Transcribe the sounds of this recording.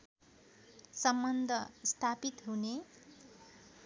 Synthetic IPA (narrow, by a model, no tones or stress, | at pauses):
sʌmbʌnd̪ʱʌst̪ʰapit̪ɦune